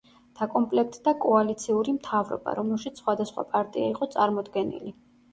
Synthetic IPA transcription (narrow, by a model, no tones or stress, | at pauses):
d̪̥akʼɔmpʼlɛk̚ʰt̪ʼʰd̪akʼɔalit̪sʰiuɾimt̪ʰavɾɔ̰ba̰ɾɔmɛlˠʃit̪ssχwad̪asχwa̰pʼaɾt̪ʼiaiqʼɔt̪sʼaɾmɔd̪ɡɛnḭli